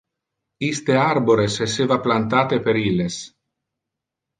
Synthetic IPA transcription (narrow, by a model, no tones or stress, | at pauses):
ist̪eaɾboɾesesevaplant̪aːt̪epeɾiles